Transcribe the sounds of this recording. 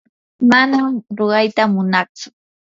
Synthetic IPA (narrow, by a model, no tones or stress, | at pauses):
manamɾoɢɑjt̪amʊnɑχt͡sʊ̥